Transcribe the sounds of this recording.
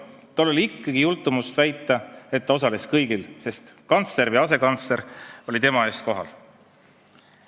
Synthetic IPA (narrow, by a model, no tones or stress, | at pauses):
t̪ɑolo̞lʲiikˑːɑɡ̥ijult̪ːˑumust̪væjt̪ːˑɑe̞t̪̚ːɑosɑle̞skɤjɡ̥ilse̞st̪kɑnt̪sle̞ɾvɨjɑse̞kɑnt̪sle̞ɾo̞lʲit̪e̞mɑe̞ːst̪̚ko̞ɦɑ̰l